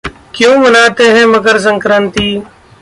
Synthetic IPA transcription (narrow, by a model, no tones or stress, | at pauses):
kjõːmənaːt̪eːɦɛ̃ːməɡəɾs̬əŋkɾənt̪iː